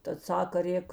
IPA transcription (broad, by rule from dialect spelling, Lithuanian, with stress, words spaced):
tɐt ˈsɑːkɐ ˈrʲeːk